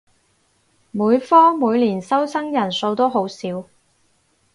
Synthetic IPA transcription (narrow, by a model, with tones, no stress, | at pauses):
muː˨˧jfɔː˥muː˨˧jliː˨˩nsɐ˥wsʰɐ˥ŋjɐ˨˩nso˧wt̪o˥wɦo˨˥wsiː˨˥w